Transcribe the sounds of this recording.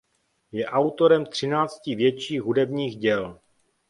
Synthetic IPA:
jɛʔawt̪o̞ɾɛmt̪r̝̥ɪnaːt͡scɪvjɛt͡ʃiːɣɦudɛbɲiːxɟɛl

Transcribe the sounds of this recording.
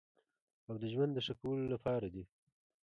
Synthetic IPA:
awd̪əʒwand̪ːəʂakawəlolapɑɾad̪i

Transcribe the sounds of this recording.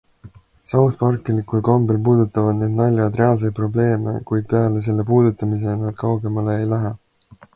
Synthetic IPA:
sɑwt̪pɑrkːˑilikulkombelpuːd̪ut̪ːˑɑvɑd̪ned̪̚nɑlʲjɑd̪re̞ɑls̬ejd̪̚pro̞ble̞ːmḛkujd̪̥̚pe̞ɑles̬e̞lːe̞puːd̪ut̪ːˑɑmis̬e̞nɑd̪̥̚kɑwɡe̞mɑleːjlæɦe

